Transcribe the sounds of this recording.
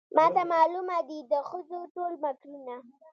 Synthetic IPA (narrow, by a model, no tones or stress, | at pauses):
mɑt̪amɑlumad̪id̪əxəzoʈolmakluna